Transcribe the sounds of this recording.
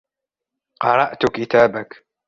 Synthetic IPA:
qɑɾˤɑʔt̪ʊkɪt̪aːbak

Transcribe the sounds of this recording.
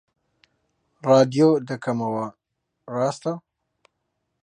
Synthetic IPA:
ɾɑːd̪jod̪əkamawa | ɾɑst̪a

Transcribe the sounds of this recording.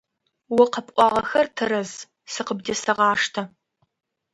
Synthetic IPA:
wʊqəpʼʔʷɑːʁɐxɐrtʰɨɾɐz | sɨqəbdɐsɐʁɑːʂtʰɐ

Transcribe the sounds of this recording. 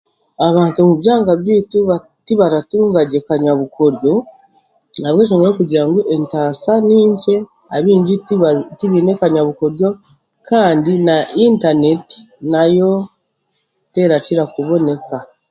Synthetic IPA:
aβaːntumuβjaːŋɡaβjiːtu | tiβaɾatuːŋɡaɟe̞kaɲaβuko̞ɾjo̞ | naβweːʃ̬oŋɡoɾokuɟaːŋɡuʔe̞ntaːsaniːɲt͡ʃe̞ | aβiːɲɟitiβiːne̞kaɲaβuko̞ɾjo̞ | kaːndinaʔintane̞ti̥ | najo̞ | te̞ːɾaciɾakuβo̞ne̞ka

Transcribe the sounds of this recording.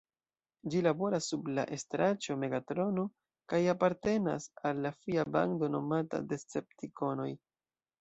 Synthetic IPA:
d͡ʒilabo̞ɾasːubla̰ʔe̞stɾat͡ʃo̞me̞ɡatɾo̞no̞ | kajapaɾte̞na̰salːafiaba̰ndo̞no̞mata̰de̞st͡se̞p̚tiko̞no̞j

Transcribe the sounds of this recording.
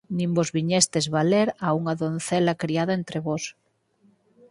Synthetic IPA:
nĩmbozβiɲest̪ezβaleɾauŋaðonθelakɾiaðaent̪ɾeβos

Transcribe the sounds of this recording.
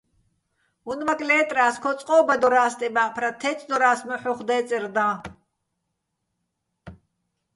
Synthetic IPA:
unvakʼlɛːt̪ʼraːskʰɔt͡sʼqʼɔːbad̪ɔɾaːst̪ʼibaʔpʰɾat̪ʰɛt͡s̪ʼʰd̪ɔɾaːsmɔħuχd̪ɛːt͡sʼird̪ãː

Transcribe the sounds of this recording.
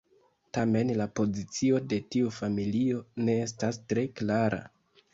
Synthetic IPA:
tame̞nlapo̞zit͡sio̞de̞tiufamilio̞ne̞estastɾe̞klaɾʔa̰

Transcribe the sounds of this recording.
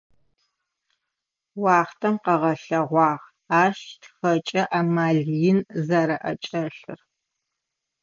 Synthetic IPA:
wɑːχtʰɐmqɐʁɐɬɐʁʷɑːʁ | aːʃtʰxɐt͡ʃʼɐʔaːmaːɮijɪnzaɾɐʔɐ̰t͡ʃʼɐɬɨ̰r

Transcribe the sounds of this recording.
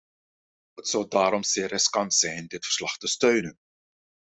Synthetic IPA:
ɦətsɔlˠdaːɾɔmzɪːrɪskɑntsɛjndɪtfə̥rslɑχtəstøɥnən

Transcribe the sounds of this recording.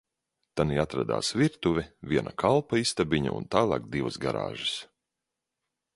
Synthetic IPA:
t̪aniat̪ɾa̰d̪a̰ːsviɾt̪uvʲɛvʲiɛnʔa̰kʰalˠpaist̪abiɲa̰ṵnt̪aːlˠɑ̰ːkd̪ivsɡa̰ɾa̰ːʒɨs

